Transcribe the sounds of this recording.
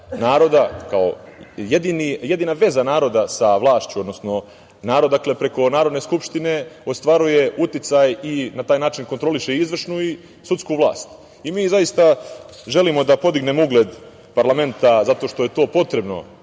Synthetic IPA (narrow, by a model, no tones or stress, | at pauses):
naːɾo̞d̪akao̰jed̪inije̞d̪inaʋe̞zanaːɾo̞d̪asaʋlˠaːʃt͡ɕuod̪no̞sno̞ | naːɾo̞d̪akle̞pɾe̞ko̞naːɾod̪neskupʃt̪ine̞o̞st̪ʋaɾuje̞ut̪it̪sajinat̪aːjnaːt͡ʃinko̞nt̪ɾo̞liʃeizʋr̩ʃnui | sut̪skuːʋlˠa̰ːst̪ | imiːzajist̪a | ʒe̞limo̞d̪apo̞d̪iɡne̞mouɡled̪ | paɾlame̞nt̪azat̪o̞ːʃt̪o̞je̞t̪o̞ːpo̞t̪ɾe̞bno̰